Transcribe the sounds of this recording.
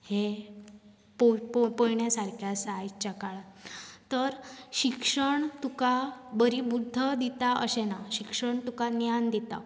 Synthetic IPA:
he | poppojɳjasaɾkʰjasajt͡ɕakaɭat̪əɾɕikʂəɳt̪ukabəɾibud̪ʱːəd̪it̪aə̰ɕenaɕikʂəɳt̪ukanjand̪it̪a̰

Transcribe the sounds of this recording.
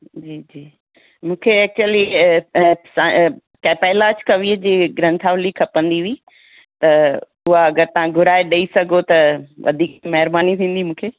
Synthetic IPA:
d͡ʑiːd͡ʑiː | mũːkʰeɛːk̚t͡ɕuəli | sã | kapaːɪlaːt͡ɕkɐʋied͡ʑiːɡɾɐ̃nt̪ʰaːʋlikʰɐpə̃nd̪iʋiː | t̪ɐ | ʊɦaɐɡəɾt̪ɐʋ̤ãɡʱʊɾaːeɗeisɐɡʱot̪ɐʋɐ̰d̪ʱiːkmɐɦɪɾbaːnit̪ʰĩːn̆d̪imũːkʰeː

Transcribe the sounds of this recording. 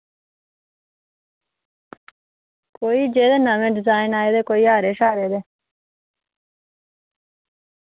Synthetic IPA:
koːiːd͡ʒeːd̪eːnəʋẽːɖɪzaːɪnaːeːd̪eːkoːiːaːɾeːʃaːɾeːd̪eː

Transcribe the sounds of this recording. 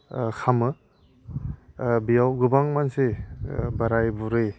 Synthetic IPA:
kʰamɯ | bijawɡɯbaŋmansebaɾajbuɾe

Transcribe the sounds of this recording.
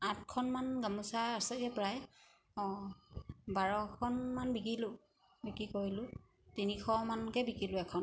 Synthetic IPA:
at̚kʰɔnmanɡamusaːsɛɡɛpɹaj | ɔ | baɹɔkʰɔnmanbikilʊ | bikikoɹilʊ | tinixʰɔmankɛbikilʊɛkʰɔn

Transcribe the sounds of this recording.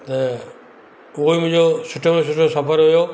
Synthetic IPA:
t̪ɐ | ʊɦomʊ̃ɦɪ̃ɲd͡ʑosʊʈʰos̬ʊʈʰosɐpəɾɦʊjo

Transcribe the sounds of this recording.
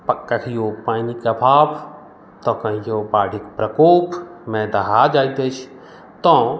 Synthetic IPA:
pəkːəkʰijopaːnikɐbʱaːb | t̪ɔ̃kə̃ɦijobaːɽʱikpɾəkoːpmẽd̪ɐɦad͡ʒaːjt̪et͡ʃʰ | t̪ɔ̃

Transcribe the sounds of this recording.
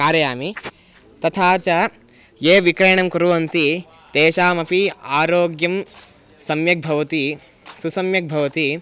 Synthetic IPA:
kaːɾjɐjaːmi | t̪ɐt̪ʰaːt͡ʃɐ | jeːʋikɾɐːɳɐmkuɾuʋɐnt̪i | t̪eːʃaːmɐpiaːɾoːɡjɐm | sɐmjɐk̚bʱɐʋɐt̪i | susɐmjɐk̚bʱɐʋɐt̪i

